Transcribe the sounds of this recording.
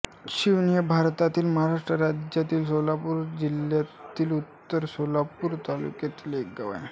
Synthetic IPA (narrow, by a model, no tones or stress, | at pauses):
ɕiʋnijəbʱaɾt̪at̪iːlməɦaɾaʂʈɾəɾad͡ʑjat̪iːlsolapuːɾd͡ʑiljat̪iːlut̪ːəɾsolapuːɾt̪alṵkjat̪ileɡəʋa̰j